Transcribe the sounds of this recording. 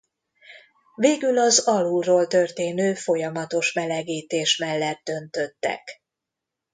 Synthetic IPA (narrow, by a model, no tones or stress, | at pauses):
veːɡylɒzɒluroːlt̪ø̞rt̪eːnøːfo̞jɒmɒt̪o̞ʃmɛlɛɡiːt̪eːʃmɛlːɛd̪̚d̪ø̞nt̪ø̞t̪ːɛ̰k